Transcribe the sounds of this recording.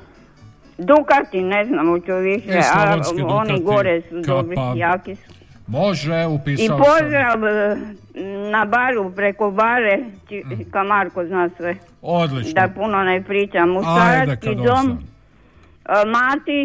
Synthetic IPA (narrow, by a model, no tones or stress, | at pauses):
d̪ukat̪ineznamot͡ʃuʋiʃɛaoniɡoɾɛsud̪obɾijaːkisu̥ | moʒɛupiipozɾaʋ | nabaɾupɾekobaɾet͡ʃikamaɾkoznaːsʋe | od̪lid̪apunonepɾiːt͡ʃamːust̪aɾakid̪om | maːt̪i